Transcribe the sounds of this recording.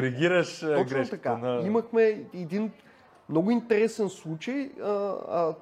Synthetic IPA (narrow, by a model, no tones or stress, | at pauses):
ɾiɡʲiɾɐʃoɡɾɛt̪ɐkkad̪aimɐxmɛɛd̪in | mnoɡʊint̪ɛɾɛsɛnslˠut͡ʃɐjə